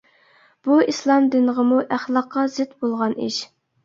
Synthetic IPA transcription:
b̥uislˠɑmd̪ɪnəʁəmuʔæχlˠɑqːɑzɪt̪bolˠʁɑnḭʃ

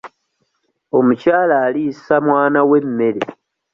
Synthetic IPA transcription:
o̞mucaːlaːliisamwaːnawe̞mːe̞ɾḛ

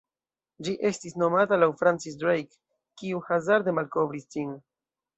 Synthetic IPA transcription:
d͡ʒiʔe̞stisno̞matalawfɾant͡sis̬dɾejkː | iuhazaɾd̪emalko̞vɾistin

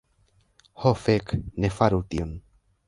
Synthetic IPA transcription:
hofeknefaɾut̪ion

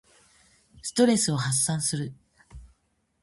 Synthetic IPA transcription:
sɨ̥t̪o̞ɾe̞sɨo̞hasːãɰ̃sɨɾɯ̟

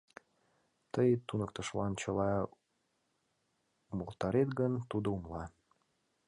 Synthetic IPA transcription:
t̪əjt̪unək̚t̪ə̆ʃlɑnt͡ɕəlɑ | uməlt̪ɑɾet̪ɡənt̪ud̪oumlɑ

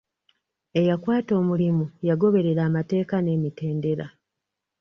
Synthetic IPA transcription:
e̞jakwaːto̞ːmulimujaɡo̞βe̞ɾe̞ɾaːmate̞ːkane̞ːmite̞ːnde̞ɾa̰

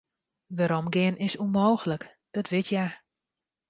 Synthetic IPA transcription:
ʋaɾomɡɪənɪsunmowxələk | d̥ɔtʋɪtja

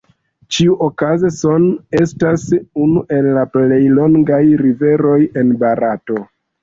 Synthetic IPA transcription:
t͡ʃiuʔokazeso̞ne̞stasunuʔe̞lːaple̞jlo̞ŋɡajɾive̞ɾo̞je̞nbaɾato̞

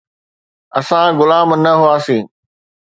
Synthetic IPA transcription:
ɐsãɣʊlaːmnɐɦʊaːsĩː

